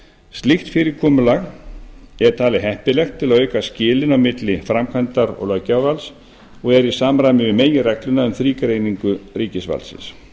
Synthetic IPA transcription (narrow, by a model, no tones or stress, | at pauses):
st̪lɪxt̪fɪːɾɪɾkʰɔːmʏlaɣ | ɛɾ̥t̪ʰaːlɪɦɛhpɪlɛxt̪ʰːɪlaðœːɥkascɪːlɪnawmɪt̪lɪfɾamkʰvant̪aɾɔ̰ɣlœcawvals | ɔɣɛɾisaːmɾajmɪvɪmeːjɪrɛklʏnaʏmθɾiːkaɾeːjniŋkʏriːcɪsva̰lsɪ̰ns